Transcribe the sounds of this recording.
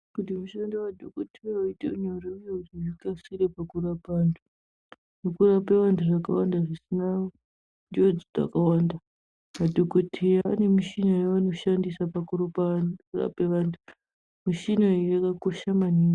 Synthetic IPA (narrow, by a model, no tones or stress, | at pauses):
kutimuʃandewadʱokotʰejaaiteuɲoreujekutiʐikasiɾepakuɾapaːntʰu | nukurape̞ʋantʰuʐakawandaʐisina | d͡ʒod͡zid͡za̰kawaːnda | madʱokotʰejaa̰ne̞miʃinojaʋano̞ʃandisapakuropakura̰pe̞ʋaːntʰu̥ | miʃinoijakako̞ʃamaniːŋɡo